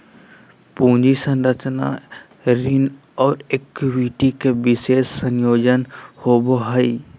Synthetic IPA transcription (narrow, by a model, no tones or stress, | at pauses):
pũːd͡ʒisə̃nɾət͡ʃna̰ | ɾin | ɔːɾek̚iʋiʈikebɪseːsːənjoːd͡ʒənhoboɦəi